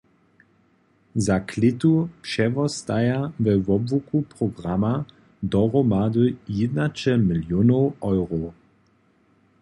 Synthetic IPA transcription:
zakʰlɪt̪upʃɛvɔstajavɛvɔbvukupʁ̥ɔɡʁama | dɔʁɔmad̪əjɪd̪nat͡ʃɛmɪljonowɔjʁo

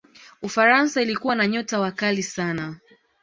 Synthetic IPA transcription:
ufaɾansailikuwanaɲɔtawakalisana

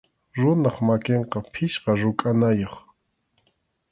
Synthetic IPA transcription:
ɾʊnaχmakeɴqɑpʰɪʃqɑɾʊkʼanajoχ

